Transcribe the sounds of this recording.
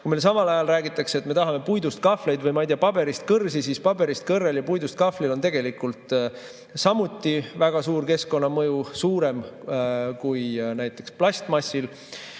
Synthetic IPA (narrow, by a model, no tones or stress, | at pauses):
kujmelsɑmɑlɑjɑlræːɡit̪ːˑɑkset̪me̞t̪ɑɦɑme̞pujd̪ust̪̚kɑfle̞jd̪vɤjmɑijd̪eɑpɑb̥e̞ɾist̪̚kɤrsisiːspɑbe̞ɾist̪̚kɤrːeljɑpujd̪ust̪̚kɑflilo̞nt̪e̞ɡ̥e̞likult̪ˑ | sɑmut̪ːˑivæɡ̥ɑsuːrke̞sko̞nːɑmɤjusuːɾe̞m | kujnæjt̪ːˑe̞ksplɑsʲt̪mɑsʲːil